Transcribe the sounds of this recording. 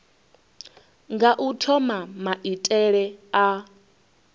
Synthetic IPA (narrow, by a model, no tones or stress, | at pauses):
ŋɡaʔutʰɔmamaʔitʼɛɺɛa